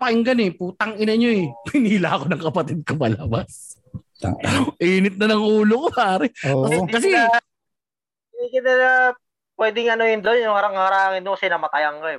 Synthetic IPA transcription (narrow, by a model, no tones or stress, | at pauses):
pɐʔɪŋɡɐnɛpuːt̪ɐŋʔɪnɐɲoɛpɪniːlɐɐko̞nɐŋkɐpɐt̪ɪd̪̚komɐlɐbas | ʔiːnɪt̪̚nɐnɐŋʔuːlokopaːɾɛt̪ɐkɐs̬ɛ | d̪ikɪnɐa | pwɛːd̪ɪŋɐnojʊnd̪onjʊŋɐɾaŋɐɾaːŋɪnd̪okɐsɛnɐmɐt̪ɐjɐŋkoɛ